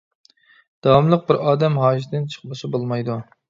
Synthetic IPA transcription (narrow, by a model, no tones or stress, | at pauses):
d̪̥ɑwɑmlˠəq̚bɪɾɑːd̪ɛmɦɑːʃd̪ɪnt͡ʃʰə̥χlˠɨʃɪbolˠmɑjd̪u